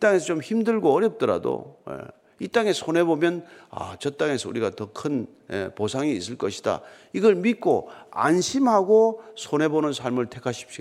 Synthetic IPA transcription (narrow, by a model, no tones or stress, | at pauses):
it͈aŋe̞sʰʌt͡ɕomçimdɯɭɡoːɾjʌp̚t͈ʌɾa̰do̰ḛ | it͈aŋe̞sʰonɦe̞bomjʌna̰t͡ɕʌt͈aŋe̞sʰʌṵɾiɡatʌkʰɯn | ḛposʰaŋiːs͈ɯɭk͈ʌɕʰi̥d̥a̰iɡʌɭmit̚k͈oa̰nɕʰimhaɡosʰonɦe̞bonɯnsʰaɭmɯɭtʰe̞kʰaɕʰi̥pɕ͈i